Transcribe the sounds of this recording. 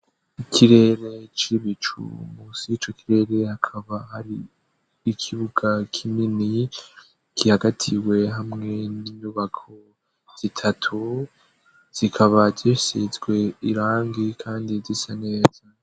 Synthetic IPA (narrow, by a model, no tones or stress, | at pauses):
ikʰiɾe̞ɾe̞t͡ʃiɾiβit͡ʃṵmusiit͡ʃo̞kiɾe̞ːɾe̞hakʰaβahaɾiː | kʰiβuɡakʰimini | kihaɡatʰiwe̞ɦamŋe̞niɲuːβakʰo̞ | z̥itʰatʰu | z̥ikʰaβazisizɡwe̞iɾaːŋɡikʰaːndizisane̞ːz̥a